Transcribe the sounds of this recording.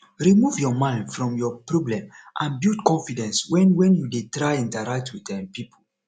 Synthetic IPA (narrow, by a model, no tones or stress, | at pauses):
ɹimuvjɔmãɪ̃ndfɹɔ̃mjɔpɹɔblɛ̃mʔãnbutkɔ̃nfidɛ̃nswɛ̃nwɛ̃njudetɹaɪĩntaɹak̚twitɛmpipʰol